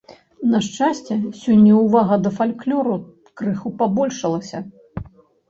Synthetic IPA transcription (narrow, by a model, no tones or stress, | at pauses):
nɐʂt͡ʂasʲt͡sʲɛsʲɔnʲːɐuvaɣɐd̪ɐfalʲklʲɔɾu | kɾɨxupabɔlʲʂɐlˠɐsʲɐ